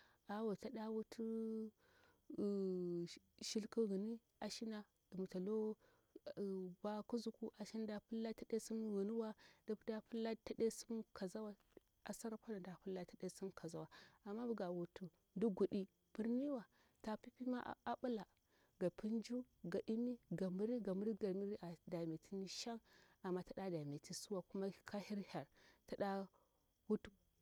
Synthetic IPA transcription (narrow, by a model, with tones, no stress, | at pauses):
a˨wa˨ta˦da˦wu˦tʰu˦˨ | ʃi˦lku˦ɣə˨ni˦ | a˨ʃi˦na˨ | di˨mu˨ta˨lo˦˨ | ba˦ku˦zu˨ku˦ʔa˨ʃi˦n˦da˦pu˦lːa˦ta˦de˦su˦mɣu˨ni˦wa˦da˦bu˦da˦pu˦lːa˦ta˨˦de˦su˦mkʰa˨za˦wa˦ | a˨sa˦ɾa˦pa˦na˨da˨pu˦lːa˦ta˨de˦su˦mka˨za˦wa˨a˨mːa˦bu˦ɡa˨wu˨tu˨ | du˦ɡu˨ɗi˦ | b̥i˦ɾni˦wa˨ | ta˨pi˦pi˦ma˦a˦ɓu˦la˨ | ɡa˨pi˦nd͡ʒu˦ɡa˨ʔi˦mi˦ɡa˨mi˦ɾi˦ɡa˨mu˦ɾi˦ɡa˨mi˦ɾi˦ʔa˨da˨me˨tʰi˦ni˦ʃa˦ŋ | a˨mːa˦ta˨ɗa˦da˨me˨ti˦su˦wa˨ku˦ma˦kʰa˦hi˦ɾha˨ɾta˨ɗa˦ | wu˦tu˦